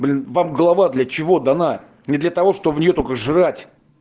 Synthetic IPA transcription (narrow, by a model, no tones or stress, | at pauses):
blʲɪnvamɡəlˠɐvad̪lʲɐt͡ɕɪvo̞d̪ɐna | nʲɪd̪lʲɐt̪ɐvo̞ʂt̪obəvnʲɪjo̞t̪okəʐɨɾatʲ